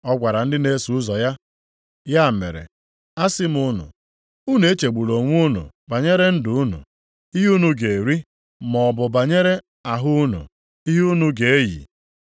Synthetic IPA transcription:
ɔ˦ɡʷa˨ɾa˨n̩˦dɪ˦ne˦su˨˦zɔ˨ja˦ | ja˦˨mḛ˨ɾḛ˨ | a˦sɪ˦m˨ʊ˦nʊ̰˨ | u˦n˦e˦t͡ʃe˨ɡ͡bu˨lo˨ŋʷu˦nṵ˨ | ba˨ɲe˦ɾe˦n̩˦dʊ˨u˦nṵ˨ | i˦ɦu˦nu˨ɡe˨ɾi˦ | mɔ˨bʊ˨ba˨ɲe˦ɾe˦ | a˨ɦʊ˦nṵ˨ | i˦ɦu˦nu˦ɡe˨e˦jḭ˨

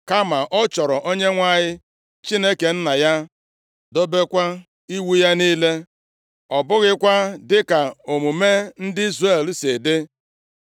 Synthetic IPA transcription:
ka˦ma˨ʔɔ˦t͡ʃɔ˨ɾɔ˨ʔo˦ɲe˦ŋʷa˦ɲɪ˦ | t͡ʃi˦ne˦ke˨n̩˦na˨ja˦ | do˦be˦kʷa˦ | i˦wu˦ja˦niː˦le˦ | ɔ˨bʊ˦ɣɪ˦kʷa˦dɪ˦ka˨o˨mu˨me˦n̩˦dɪ˦i˦zɾe˦˨l̩˦se˨dɪ˦

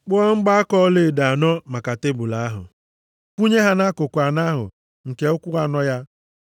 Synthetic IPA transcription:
k͡pɔ˦ŋ̩˦ɡ͡ba˦a˦kɔ˦le˨da˨a˨nɔ˦ma˨ka˨te˦bʊ˨la˨a˦ɦʊ̰˨ | kʷu˦ɲe˦ɦa˦na˦kʊ˨kʷa˨na˦ɦʊ̰˨ | ŋ̩˨ke˨ʊ˦kʷu˦ɾa˦nɔ˦ja˦

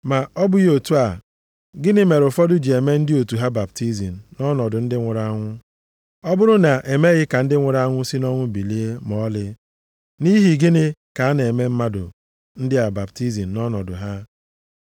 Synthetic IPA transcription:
ma˨ɔ˦bʊ˦ji˦o˨tu˦a˨ | ɡɪ˦nɪ˦me˨ɾʊ˨fɔ˦dʊ˦d͡ʒi˨e˨me˦n̩˦dɪ˦o˨tu˨ɦa˦ba˨bti˦zi˨n̩˨nɔ˦nɔ˨dʊ˨n̩˦dɪ˦ŋʷʊ˨ɾa˦ŋʷʊ˦ | ɔ˦bʊ˦ɾʊ˦na˨ʔe˨me˦ɣɪ˦ka˨n̩˦dɪ˦ŋʷʊ˨ɾa˦ŋʷʊ˦si˦nɔ˦ŋʷʊ˦bi˨li˦e˦m˨ɔ˦lɪ˦ | ni˦ɦi˨ɡɪ˦nɪ˦ka˨a˦n˨e˨me˦m̩˦ma˦dʊ̰˨ | n̩˦dɪ˦a˨ba˨bti˦zi˨n̩˨nɔ˦nɔ˨dʊ˨ɦa˦

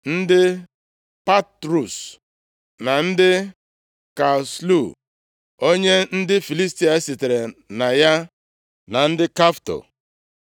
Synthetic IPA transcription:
n̩˦dɪ˦ | pa˦tɾu˨s | na˨n̩˦dɪ˦ | ka˨slu˦˨ | o˦ɲe˦n̩˦dɪ˦fi˨li˦s̬ti˨˦a˨e˦si˨te˨ɾe˨na˨ja˦ | na˨n̩˦dɪ˦ka˦fto̰˨

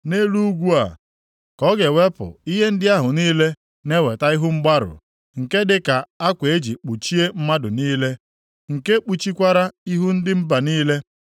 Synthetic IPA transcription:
ne˦lu˦u˦ɡʷu˦a̰˨ | kɔ˦ɡe˨we˦pʊ̰˨i˦ɦe˦n̩˦dɪ˦a˦ɦʊ˨niː˦le˦ | ne˦we˨ta˦i˦ɦʊ˦ŋ͡m̩˦ɡ͡ba˦ɾʊ̰˨ | ŋ̩˨ke˦dɪ˦ka˨a˦kʷe˨e˦d͡ʒi˨k͡pu˨t͡ʃi˦e˦m̩˦ma˦dʊ˨niː˦le˦ | ŋ̩˨ke˦k͡pu˨t͡ʃi˦kʷa˦ɾa˦i˦ɦu˦n̩˦dɪ˦m̩˦ba˨niː˦le˦

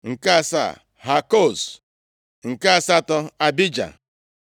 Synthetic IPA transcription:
ŋ̩˨ka˦a˨sa̰˦˨ | ɦa˨ko˦˨s | ŋ̩˨ka˦a˨sa˦˨tɔ˦a˨bi˦d͡ʒa̰˨

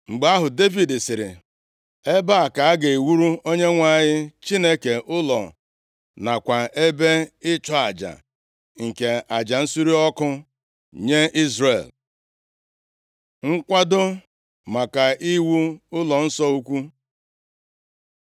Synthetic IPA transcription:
ŋ͡m̩˨ɡ͡ba˦ɦʊ˨de˦vi˨dɪ˨sɪ˨ɾɪ̰˨ | e˦ba˦a˨ka˨a˦ɡe˨wu˦ɾu˦o˦ɲe˦ŋʷa˦˨ɲɪ˦t͡ʃi˦ne˦ke˨ʔʊ˦lɔ̰˨ | na˨kʷa˨e˦be˦ɪ˦t͡ʃɔ˦a˨d͡ʒa̰˨ | ŋ̩˨ke˨a˨d͡ʒa˨n̩˦su˦ɾi˦ɔ˦kʊ˦ | ɲe˦ʔi˦zrḛ˨l | ŋ̩˦kʷa˦dʊ˦ | ma˨ka˨ʔi˦wu˦ʊ˦lɔ˨n̩˦sɔ˦u˦kʷu˦

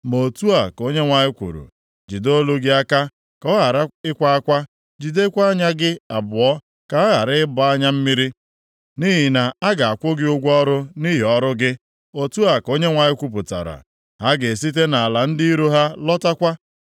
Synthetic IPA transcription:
mo˨tu˦a˨ko˦ɲe˦ŋʷa˨ɲɪ˦kʷṵ˨ɾṵ˨ | d͡ʒi˨do˦lu˦ɡɪ˦a˦ka˦ | kɔ˦ɣa˨ɾa˦ɪ˦kʷa˦a˦kʷa˦ | d͡ʒi˨de˦kʷa˦ɲa˦ɡɪ˦a˨bʊ˨ɔ˦ | ka˨ɔ˦ɦa˨ɾɪ˦ɪ˦bʊ˨a˦ɲa˦m̩˦mi˦ɾi˦ | ni˦ɦi˨na˨a˦ɡa˨a˨kʷʊ˦ɡɪ˦ʊ˦ɡʷɔ˦ɾʊ˦ni˦ɦi˨ɔ˦ɾʊ˦ɡɪ˦ | o˨tu˦a˨ko˦ɲe˦ŋʷa˨ɲɪ˦kʷu˦p̬ʊ˨ta̰˨ɾa̰˨ | ɦa˦ɡe˨s̬i˦t̬e˦na˨a˨la˨n̩˦di˦ɾu˦ɦa˦lɔ˦ta˦kʷa˦

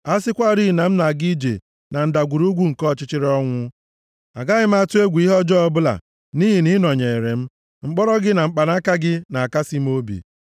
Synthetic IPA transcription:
a˦sɪ˦kʷa˦ɾi˦˨na˨m̩˦na˨ɡi˦d͡ʒḛ˨ | na˨n̩˦da˨ɡʷu˨ɾu˦ɡʷu˦ŋ̩˨kɔ˦˨t͡ʃɪ˦t͡ʃɪ˦ɾɔ˦ŋʷʊ˦ | a˨ɡa˦ɣɪ˦m̩˦a˦tʊ˦e˦ɡʷi˦ɦɔ˦d͡ʒɔ˦ɔ˦bʊ˦la̰˨ | ni˦ɦi˨ni˦nɔ˨ɲe˨ɾe˨m̩˦ | ŋ͡m̩˦k͡pɔ˦ɾɔ˦ɡɪ˦na˨ŋ͡m̩˦k͡pa˨na˦ka˦ɡɪ˦na˨a˨ka˦si˦m̩˦o˦bḭ˨

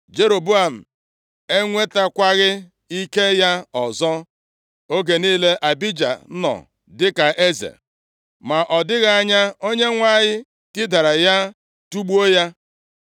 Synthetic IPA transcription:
d͡ʒe˦ɾo˨bu˦a˨m̩˨ | e˦ŋʷe˦ta˦kʷa˦ɣɪ˦ | i˦ke˦ja˦ɔ˨zɔ˦ | o˦ɡe˨niː˦le˦ʔa˨bi˦d͡ʒa̰˨˦nɔ̰˨ | dɪ˦ka˨ʔe˦zḛ˨ | ma˨ʔɔ˨dɪ˦ɣa˦a˦ɲa˦o˦ɲe˦ŋʷa˦˨ɲɪ˦ | kɪ˦da˨ɾa˨ja˦ | tu˦ɡ͡bu˦o˦ja˦

